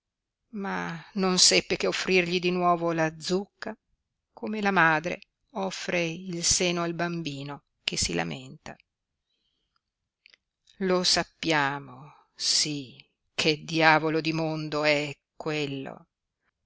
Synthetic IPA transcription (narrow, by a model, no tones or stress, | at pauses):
manonsɛpːekeofːɾirʎid̪inwɔːvolad̪zukːa | kʰomelamaːd̪ɾḛ | ɔfːɾeilseːnoalbambiːno | kesila̰ment̪a̰ | losapːjaːmo | si | kʰed̪ːjaːvolod̪imond̪oɛkːwelːo̰